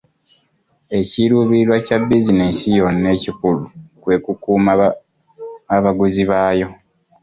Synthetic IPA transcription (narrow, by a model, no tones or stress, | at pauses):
e̞ciɾuːβilwacabːizinisijo̞nːe̞ːcikulukwe̞ːkukuːma | aβaɡuziβaːjo̞